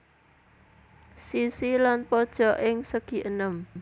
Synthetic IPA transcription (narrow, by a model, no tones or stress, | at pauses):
sisilanpɔd̥ʒ̥ɔ̤ʔɪŋsəɡ̥i̤ʔənəm